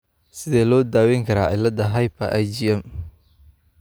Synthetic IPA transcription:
sɪðɛːlɔːd̪aːwɛŋkʰɐɾa̰ːʔɪ̰lːɐd̪ɐɦɐjpʰɐʔɐjd͡ʒiɛm

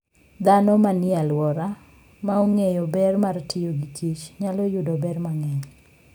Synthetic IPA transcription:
d̪anɔmanɪalwɔɾa | maoŋejobɛrmartɪjoɡit͡ʃit͡ʃɲalɔjʊdobɛrmaŋɛɲ

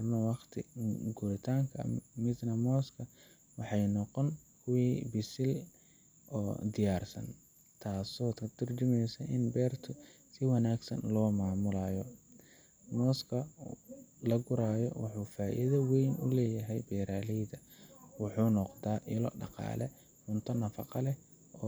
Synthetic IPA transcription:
rnɔwɑqt̪ʰɪɡʊɾɪt̪ʰaːŋkʰɐ̰mɪd̪nɐmɔːskʰɐ | wɑħɑjnɔqɔnkʰʊwiːbɪsɪl | ʔɔːd̪ɪjaːrsɐ̰n | t̪ʰaːsɔːt̪kʰɐd̪̥ʊrd͡ʒɪmɛjsɐʔɪnbɛːrt̪ʰʊ | sɪwɑnaːɡsɐ̰nlɔːmaːmʊlaːjɔ | mɔːskʰɐ | lɐɡʊɾaːjɔwɑ̰ħuːfaːʔɪ̰ðɐwɛjnʊlɛːjɐɦɛjbɛːɾaːlɛjðɐ | wɑħuːnɔqd̪aːʔɪlɔ̰ɖɑ̰qɑ̰ːlɛ̰ | ħʊnt̪ʰɐnɐfɑ̰qɑlɛ | ʔɔ

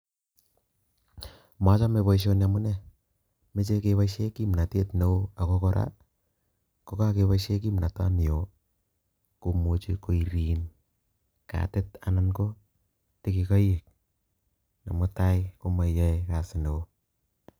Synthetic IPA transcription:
mat͡ʃameβoiʃ̬onjamʊnɛ | met͡ʃekeβaʃekimnatetneoakokɔɾa̰ | kokakeβaʃek̬imnata̰mio | komot͡ʃikoiɾin | ka̰tɪtananko | tikikajek̚ | namotajkomajajkasɪneo

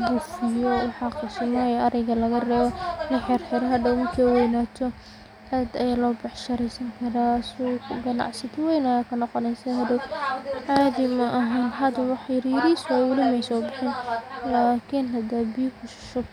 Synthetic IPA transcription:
ɡʊfɪjɔwħɑqɪsɐnmɐjɛʔɐɾɛjɣɐlɐɣɐrɛːβɔnɪħɪɾħɪɾɦɐd̪ɐwmɐkʰɛːwɛjnaːt̪ʰɔ | ɐːd̪ɐjaːlɔːbɐħʃɐɾɛsɐŋkʰɐɾaːsuɡɐnɑ̰ʕsɪt̪wɛjnɐjaːkʰɐnɔqɔnɛjsahɐd̪ɐwʕaːd̪ɪmɐʔɐɦaːnɦɐd̪ɐwɑħjɪɾjɪɾisɔʊlimɛjsɔːbɪħɪnlaːkʰɪnɦɐd̪ɐbijkʰʊʃɪ̥ʃɔ

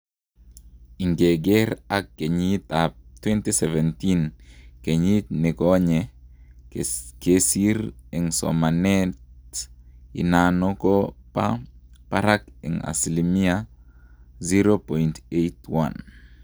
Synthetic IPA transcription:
iŋɡeɡɛɾakːeɲit̪ap̚t̪wɛntisɛvɛntinkeɲitnɪkɔɲɛ | kesiɾɛŋsɔ̰manɛt | ḭnanokopapaɾakɛ̰ŋa̰slimia | ziɾopɔintejtwa̰n

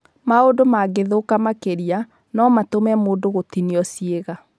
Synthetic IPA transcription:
maodomaɡeðokamakeɾia | nɔmatomɛmoːdoɣotiniɔsieɣa

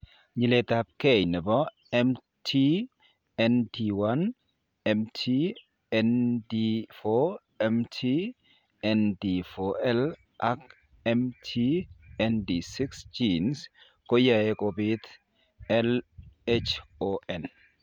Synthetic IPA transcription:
ɲilet̪ap̚kejnəbɔ | ɛm | tʰi | ɛntiwan | ɛmtʰi | ɛndifo | ɛmtʰi | ɛndifoɛl | ʔak | ɛmtʰiɛndisiksd͡ʒins | kojaekʼobit̪ | ɛlet͡ʃoʔɛn

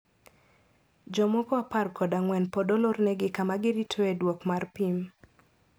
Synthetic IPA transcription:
d͡ʒɔmɔkɔaparkʰɔdaŋwɛnpɔdɔlornɛɡɪkamaɡɪɾitʰoedwɔkmarpim

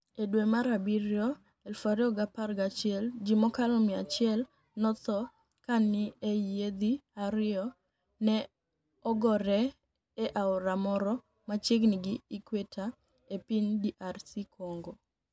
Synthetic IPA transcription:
edwemaɾabiɾjɔ | ɛlfaɾjɔɡaparɡat͡ʃɪɛld͡ʒimɔkalɔmɪat͡ʃɪɛl | nɔt̪ɔ | kanɪeed̪iaɾɪɔ | nɛ | ɔɡɔɾɛ | eʔaʊɾamɔɾɔ | mat͡ʃeɡnɪɡɪːkwetʰa | epindiʔarsikʰoŋɡo

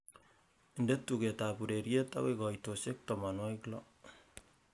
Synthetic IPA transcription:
indetːuketapuɾeɾjeta̰wekɔitosek̚tɔmanɔiklɔ̰

